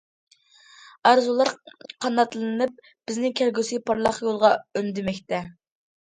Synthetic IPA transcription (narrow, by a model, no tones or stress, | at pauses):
ɑɾzulˠɑɾqʰɑnːɑt̪lˠɨɨnɨp̚ | b̥ɪznɪkʲʰæɾɡʲysipʰɑɾlˠɑχjolˠʁɑønd̪ɪmɛkʲt̪ɛ